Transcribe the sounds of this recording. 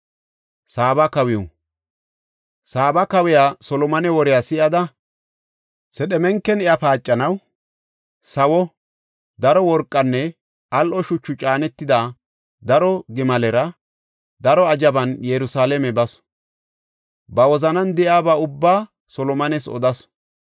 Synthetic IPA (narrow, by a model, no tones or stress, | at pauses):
saːbɐkɐwɪjɔ | saːbɐkɐwɪjaːsɔlɔmɐnɛwɔɾɪjaːsɪjɐd̪ɐ | sɛɗɛmɛŋkːɛnɛjapaːt͡ʃʼːɐnɐw | sɐwɔ | d̪ɐɾɔwɔɾkʼːɐnːɛ | ʔɐlʔɔʃʊt͡ʃːʊt͡ʃʼaːnɛt̪ːɪd̪a | d̪ɐɾɔɡɪmɐlɛɾɐ | d̪ɐɾɔɐd͡ʒɐbɐnjɛɾʊsaːlɛmɛbɐs | bɐwɔzɐnɐnd̪ɛjaːbaʊbːaː | sɔlɔmɐnɛsɔ̰d̪ɐs